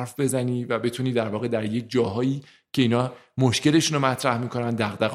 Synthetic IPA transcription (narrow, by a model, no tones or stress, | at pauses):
ɾfbe̞zæniːvæbe̞t̪ʰuniːd̪æɾvɒːɣe̞d̪æɾje̞c̚ʰd͡ʒɒːɦɒːjiː | cʰe̞iːnɒːmoʃce̞le̞ʃunomæt̪ʰɾæhmiːkʰo̞nænd̪æɣd̪æ